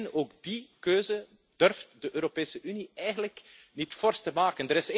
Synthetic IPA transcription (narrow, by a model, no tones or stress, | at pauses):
noːɡdikøːzə | d̥ɵrftdəʔøːɾopeːsəʔyniɛjɣənləknitfɔrstəmaːkəndəɾɪs